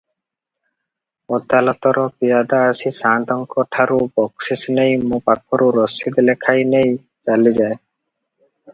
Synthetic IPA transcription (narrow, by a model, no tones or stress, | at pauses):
ɔd̪alɔt̪ɔɾɔpijad̪aːsisand̪ɔŋkɔʈʰaɾubɔksisnejmũpakʰɔɾuɾɔsid̪lekʰajnej | t͡ʃalid͡ʒae